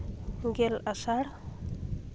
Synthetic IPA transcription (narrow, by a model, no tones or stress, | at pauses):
ɡelasaɽ